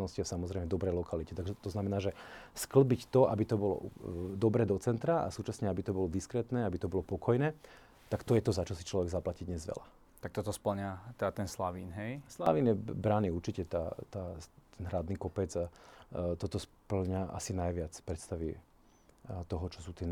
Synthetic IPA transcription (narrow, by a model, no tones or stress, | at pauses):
nɔsciasamɔzɾɛɪmɛd̪ɔbɾɛjlɔkalicɛt̪aɡʒɛt̪ɔznamɛnaːʒɛskl̩bict̪ɔʔabit̪ɔbɔlɔ̰d̪ɔbɾɛːd̪ɔt͡sɛnt̪ɾaa̰suːt͡ʃasɲɛabit̪ɔbɔlɔd̪iskɾɛt̪nɛːabit̪ɔbɔlɔpɔkʰɔjnɛː | t̪akt̪ɔjɛt̪ɔzat͡ʃɔsi̥t͡ʃlɔʋɛɡzaplacid̪ɲɛzʋɛ̰la | t̪ak̚t̪ɔt̪ɔspl̩ɲat̪ɛat̪ɛnslaʋiːnɦɛjslaʋiːnjɛbɾaniuɾt͡ʃicɛt̪aːt̪aːt̪ʰɛnɦɾad̪niːkɔpɛd͡zat̪ɔt̪ɔspl̩ɲaʔa̰sinajʋɪat͡spɾɛt̪st̪aʋḭ | t̪ɔɦɔt͡ʃɔsuːt̪ɪɛ